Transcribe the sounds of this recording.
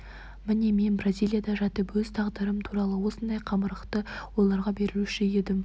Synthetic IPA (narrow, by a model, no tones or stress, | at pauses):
mɪne̞me̞nbrazijlʲˠijad̪ɑʒɑt̪əpwɵzt̪ʰɑʁd̪əɾəmt̪ʰuɾɑlˠəwo̞sənd̪ɑjqʰɑməɾəqt̪əwo̞lˠɑɾʁɑbe̞ɾɪluʃɪje̞d̪ɪm